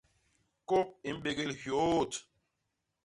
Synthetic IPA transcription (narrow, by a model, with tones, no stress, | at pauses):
ko˦p̚i˨m̩˦ɓe˨ɡe˨lhjo˨˦˨t